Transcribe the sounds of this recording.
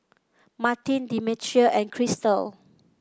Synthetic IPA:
matĩndimitʰɹiəʔɛ̃nkʰɹistəl

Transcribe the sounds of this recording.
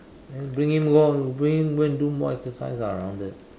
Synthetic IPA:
ɛ̃bɹĩŋhĩmɡɔjubɹĩŋhĩmwɛ̃ndumɔ̰ɛksəsa̰ɪzəɹãʊ̃ndɪt̚

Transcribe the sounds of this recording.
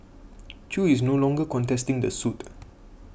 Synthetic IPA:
t͡ʃuisnolɔ̃ŋɡəkɔ̃ntɛstĩŋdəsut

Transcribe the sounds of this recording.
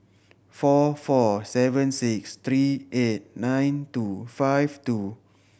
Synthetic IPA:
fɔfɔsɛvə̃nsikst̪ɹiʔet̚nãjntufajvtu

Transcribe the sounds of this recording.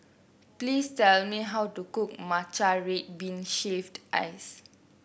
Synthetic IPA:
plistɛlmiɦawtukuk̚mat͡ʃaɹet̚bĩnʃefdʔa̰js

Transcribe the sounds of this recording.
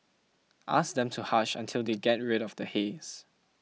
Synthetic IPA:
ʔa̰sdɛ̃mtʰuhaʃã̰ntʰɪlˠdeɡɛt̚ɹɪɾɔfdəhes

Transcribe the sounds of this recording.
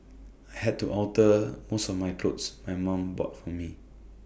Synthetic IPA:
ajɦɛd̚tuʔɔltəmosɔfmajkʰlotsmajmãmbɹɔ̰t̚fɔmi

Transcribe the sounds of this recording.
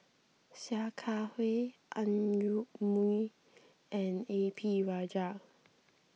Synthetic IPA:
sjakʰahweʔãnjuʔmui | ʔɛ̃nepʰiɹad͡ʒa

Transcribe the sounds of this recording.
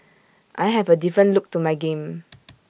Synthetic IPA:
ʔajɦɛvədifɹə̃nluk̚tumajɡẽm

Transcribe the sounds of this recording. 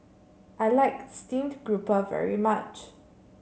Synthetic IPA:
ʔaɪlaɪkstĩndɡ̥ɹupəvɛ̰ɹimat͡ʃ

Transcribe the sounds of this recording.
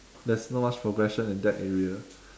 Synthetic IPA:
dɛsnomat͡ʃpʰɹoɡɹɛʃə̃nĩndɛtɛɹiə

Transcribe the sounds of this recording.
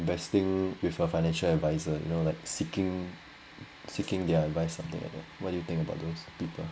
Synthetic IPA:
ɪ̃nvɛstɪ̃ŋwɪfəfaɪnɛ̃nʃəlɛdvaɪzəjṵnolaɪk̚sikɪ̃ŋ | sikɪ̃ŋdɛədvaɪsːãmt̪ɪ̰̃ŋa̰dɛ̰wɔt̚dujut̪ɪ̃ŋkəba̰ʊt̚dospipəl

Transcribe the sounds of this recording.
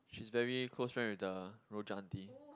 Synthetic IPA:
ʃisvɛɹikʰlosfɹɛ̃nwɪdəɹod͡ʒãnti

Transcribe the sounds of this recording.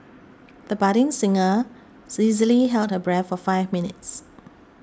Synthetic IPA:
ðəbaɾɪ̃ŋsɪ̃ŋə | sizəliɦɛlt̚həbɹɛtfɔfaɪvminɪts

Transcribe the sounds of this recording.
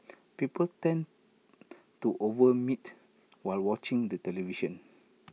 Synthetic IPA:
pipəltɛ̃n | tuʔovəmit | waɪlwɔt͡ʃĩŋdətɛliviʃə̃n

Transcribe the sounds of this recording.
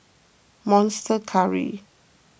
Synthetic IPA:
mɔ̃nstʰəkʰaɹḭ

